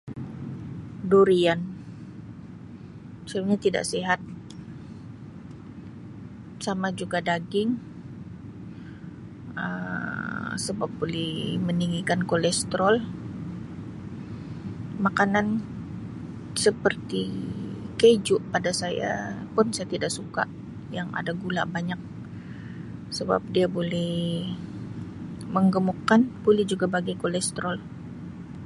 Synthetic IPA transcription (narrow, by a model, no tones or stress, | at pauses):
doɾian | sap̚ɲat̪ida̰ʔsiɦat̪̚ | samad͡ʒuɡadaɡɪŋ | ə̰ | səbap̚bolɪməniŋɡikankolɛst̪ɾɔl | makanan | səpərt̪i | ked͡ʒʊʔpadasaja̰pʊnsajat̪idaksuka̰ʔ | jaŋa̰daɡula̰ʔbaɲak̚ | səba̰p̚diabolɛh | məŋɡəmukːanb̥olɛhd͡ʒuɡabaɡikolɛst̪ɾɔl